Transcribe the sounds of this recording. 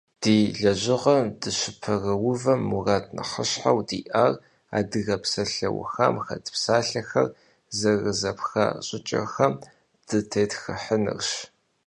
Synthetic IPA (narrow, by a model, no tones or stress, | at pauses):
d̥iːɮɐʑɪʁɐmdɨɕɪpʰɐrɐwʊvɐmːuraːtʰʼnɐ̰χə̰ɕħa̰wdiːʔaːr | a̰ːdɨɣɐpsɐɬɐ̰wʊ̰xɐ̰mxɐ̰tʰpsaːɬɐxɐr | zɐrɨzɐpxɐ̰ɕʼɪt͡ʃʼɐ̰xɐm | d̥ɨtʰeːtxɨħənɨ̰rɕ